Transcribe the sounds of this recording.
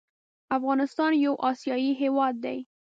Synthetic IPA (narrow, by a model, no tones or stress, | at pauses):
afɣɑnɪst̪ɑnjawʔɑsjɑjiɦewɑd̪ːaj